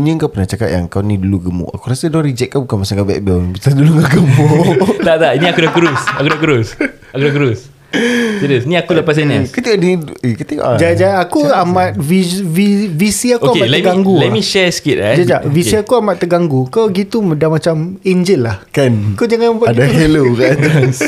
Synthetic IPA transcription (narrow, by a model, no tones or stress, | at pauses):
uɲə̃ŋkawpənaht͡ʃakaʔ̪ja̰ŋkawnĩduluɡəmṵʔa̰kuɾasədɔɾid͡ʒɛt̚kabukanmasaŋkabɛ̰k̚bɛlnət̪asdulukaɡəmut̪aʔt̪aʔinĩakudakuɾusakudakuɾus | akudakuɾʊs | idəsinĩakuləpas̬ɛnaskət̪ikɔʔniikət̪ikɔ̰ʔd͡ʒad͡ʒaakuamat̪̚vivivisiakouaematlɛɡaŋɡulɛtmĩʃɛsə̥kit̚ad͡ʒad͡ʒaʔvisiakuamaʔt̪əɡaŋɡukawɡit̪umədamat͡ʃamiɲd͡ʒɪlːahkankad͡ʒaŋanpadaɦɛlokas